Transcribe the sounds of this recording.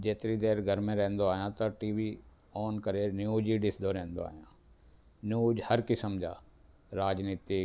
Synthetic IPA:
d͡ʒeːt̪ɪɾid̪eːɾɡʱəɾmẽɾɛ̃ɦnd̪oaːɦijãːt̪ɐʈiːʋi | ɔːnkəɾenjuːd͡ʒiɖɪsd̪oɾɛ̃ɦnd̪o̰a̰ːɦijãː | njuːd͡ʒhəɾkɪsəmd͡ʒʱa̰ː | ɾaːd͡ʒniːt̪ɪ

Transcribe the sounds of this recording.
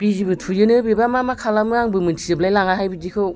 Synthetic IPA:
b̥izibɯtʰujɯnɯbibamamakʰalamɯaŋbɯmɯntʰiɯblajlaŋaɦajbidikʰɯw

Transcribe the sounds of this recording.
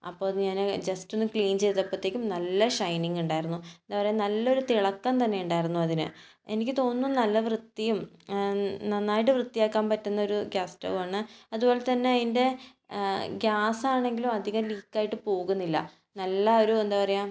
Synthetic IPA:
ɐ̰pːoːɲaːnɨd͡ʑɐsto̞nːɨkɭiːnt͡ɕejt̪ːɐpːɐt̪ːekʲːumnɐlːɐʂɐjniŋɡuɳɖaːjiɾunːuend̪aːpɐrɐjamnɐlːɐo̞ɾut̪iɭɐkːɐnt̪ɐnːe̞juɳɖaːjiɾunːuɐðinɨ̰ | enikʲːɨt̪o̞ːnːunɐlːɐʋrɨt̪ːijum | nɐnːaːjiʈ̬ːɨʋrɨt̪ːijaːkːaːmpɐtːunːɐo̞ɾuɡʲjaːstɐ̰ʋumaːɳɨɐðubo̞ːlet̪ɐnːe̞ɐðinde̞ | ɡjaːsaːɳe̞ŋɡilumɐd̪ʱiɣɐmliːkːaːjiʈːɨpo̞ːɣunːilːɐ̰ | nɐlːɐo̞ɾuend̪aːpɐrɐjaːm

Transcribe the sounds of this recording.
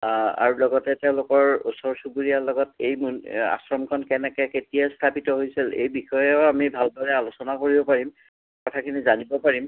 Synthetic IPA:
a̰ɹulɔɡɔtɛteʊ̃lʊkɔɹusɔɹsupuɹijalɔɡɔtejmuna̰sɹɔmkʰɔnkɛnɛkɛketijast̪ʰapitɔɦojsilḛjbixɔjɛoamibʱaldɔɹɛalosɔnakoɹibɔpaɹim | kɔtʰakʰinizanibɔpaɹim

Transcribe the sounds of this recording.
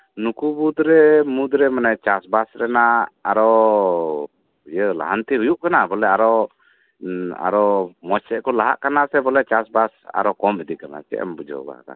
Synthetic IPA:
nukubud̪ɾɛmud̪ɾɛmanɛt͡ʃasbasɾɛnaaɾɔ | jəla̰ɦant̪iɦujuʔkanabɔlɛaɾɔ | a̰ɾɔmɔt͡ʃɛʔkɔlaɦa̰ʔkanasɛbɔlɛt͡ʃasbasa̰ɾɔkɔmbɛd̪ikana̰t͡ʃɛ̰ʔɛ̰mbud͡ʒɔ̰ɡa̰ka̰

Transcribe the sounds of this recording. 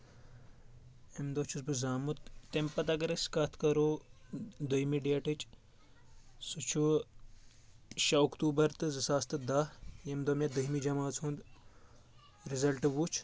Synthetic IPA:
emd̪ot͡ʃʰusbɨzaːmut̪ːempɐt̪ɐkɐɾɐskaːt̪ʰkɐɾo | d̪ɐjimiɖijɐʈɨt͡ʃ | sut͡ʃʰu | ʃɐukt̪uːbɐɾt̪ɨzɨsaːst̪ɨd̪ajemd̪omjɐd̪ɨɦimid͡ʒɐmaːt͡sʰuːnd̪ | ɾizɐlʈɨʋut͡ʃʰ

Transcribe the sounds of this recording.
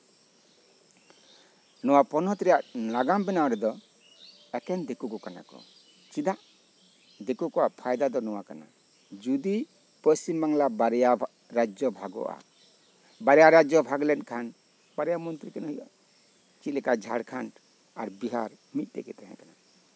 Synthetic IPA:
nɔwapɔnɔt̪ɾɛjaʔlaɡambɛnaɔɾɛd̪ɔ | ɛkɛnd̪ekukɔkana̰kɔ̰ | t͡ʃid̪aʔ | d̪ekukɔwapʰajd̪ad̪ɔnɔwakana̰ | d͡ʒud̪i | pəsimbaŋlabaɾɛja | ɾad͡ʒɔbʱaɡɔ̰ʔa̰ | baɾɛjaɾad͡ʒɔbʱaɡlɛnkʰan | baɾɛjamɔnt̪ɾikanɦəjɔ̰ | t͡ʃit̪lɛkad͡ʒʱaɽkʰanʈ | aɾbiɦa̰ɾmic̪̚t̪ɛkɛ̰t̪ɛɦɛ̃kana

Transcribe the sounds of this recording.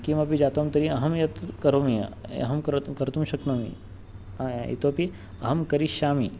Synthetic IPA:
kimɐpid͡ʒaːt̪ɐmt̪ɐɾiɐɦɐmjɐt̪kɐɾoːmijɐ̰ɐ̰ɦɐmkɐɾt̪umʃɐknɐmḭ | ḭt̪oːpi | ɐɦɐmkɐɾiʃaːmḭ

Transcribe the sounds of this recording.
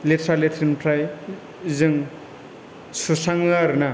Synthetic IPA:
letʰɾaletʰɾinpʰɾaj | zɯŋ | susaŋlaɾna

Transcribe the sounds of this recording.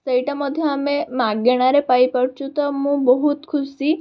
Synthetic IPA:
səiʈamɔd̪ʱjɔamemaɡɡeɽ̃aɾepajpəɽt͡ʃʰũt̪ɔmũbɔɦut̪kʰusi

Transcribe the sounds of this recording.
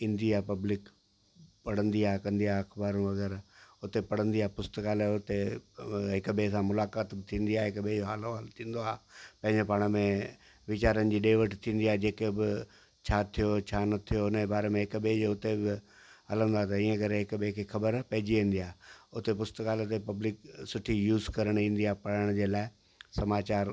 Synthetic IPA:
ɪ̃nd̪iaːpɐblɪk | pɐɽ̤ə̃nd̪iaːkɐ̃nd̪iaɐkʰbaːɾũʋɐɡɛɾʊt̪epɐɽ̤ə̃nd̪iaːpʊst̪kaːlʊt̪e | ɦɪkbeːsãmʊlaːkaːt̪bɪt̪ʰĩːnd̪iaːɦɪkbed͡ʑoɦaːloɦaːlt̪ʰĩːn̆d̪oaːpɐ̃ɦɪ̃ɲd͡ʑepaːɽ̃əmẽ | ʋɪt͡ɕaːɾənɪ̆d͡ʑiːɗeːʋəʈt̪ʰĩːnd̪iaːɦd͡ʑeːkebɪ | t͡ɕʰaːt̪ʰijot͡ɕʰanɐt̪ʰijoɪnəbaːɾemẽɦɪkbeoʊt̪ebɪ | ɦɐlə̃nd̪aːt̪ɐĩːə̃kɐɾeɦɪkbekʰexɐbəɾpɐɦɪd͡ʑiʋẽːn̆d̪iaːɦʊt̪epʊst̪kaːlt̪epɐblɪksʊʈʰijuːzkɐɾəɽ̃ĩːn̆d̪iaːpɐɽəɽ̃ʊd͡ʑeːlaːɪ | sɐmaːt͡ɕaːɾ

